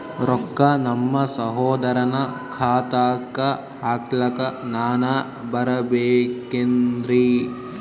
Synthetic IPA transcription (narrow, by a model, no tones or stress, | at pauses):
ɾɔkːɐnɐmːɐsɐɦoːd̪ɐɾɐnɐkʰaːt̪aːkɐ | aːklɐkɐnaːnɐ | bɐɾɐbeːkend̪ɾi